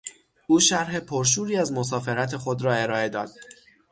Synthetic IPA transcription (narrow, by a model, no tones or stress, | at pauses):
ʔuːʃæɾɦe̞pʰoɾʃ̬uːɾiːæzmo̞s̬ɒːfe̞ɾæt̪ʰe̞xo̞d̪ɾɒːe̞ɾɒːe̞d̪ɒːd̪̥